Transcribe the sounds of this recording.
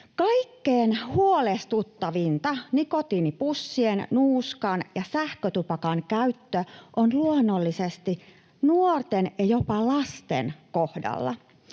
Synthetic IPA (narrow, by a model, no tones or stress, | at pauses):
kɑikːeːnhuolest̪ut̪ːɑʋint̪ɑnikot̪iːnipusːiennuːskɑnjɑsæhkøt̪upɑkɑnkæyt̪ːøʔonluonːolːisest̪i | nuort̪enjɑjopɑlɑst̪ḛnkohdɑ̰lːɑ̰